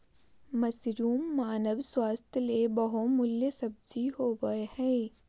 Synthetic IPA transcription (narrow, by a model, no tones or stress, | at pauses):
mɐsɾuːmːaːnəʋswaːst̪ʰjəlebɐɦomʊljəsɐb̚d͡ʒiɦoːʋəehɛ̃ː